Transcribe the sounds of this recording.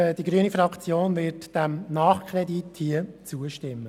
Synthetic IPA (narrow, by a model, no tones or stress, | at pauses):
d̥iɡɾyənifɾɑkt͡sjoːnvɪɾtd̥æmnɑːχkʰɾɛdithiət͡suəʃtɪmːə